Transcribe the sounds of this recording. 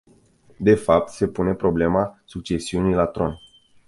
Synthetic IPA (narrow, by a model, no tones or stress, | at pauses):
d̪e̞fap̚t̪se̞pune̞pɾo̞ble̞masuk̚t͡ʃe̞siunilat̪ɾo̞n